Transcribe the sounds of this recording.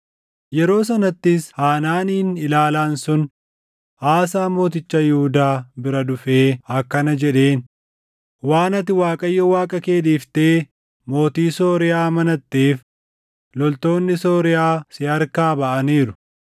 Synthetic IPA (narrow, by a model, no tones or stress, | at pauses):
jɛɾo̞ːs̬ɐnɐt̪ːɪshaːnaːniːnɪlaːlaːnsʊn | ʔaːsaːmo̞ːt̪ɪt͡ʃːɐjɪhʊd̪aːbɪɾɐd̪ʊfeːɐkːɐnɐd͡ʒɛᶑe̞ːn | waːnɐt̪ɪwaːkʼɐjːɔwaːkʼɐke̞ːd̪iːft̪e̞ː | mo̞ːt̪iːso̞ːɾɪjaːmɐnɐt̪ːeːf | lɔlt̪o̞ːnːɪso̞ːɾɪjaːsɪɐɾkaːbɐʔɐniːɾʊ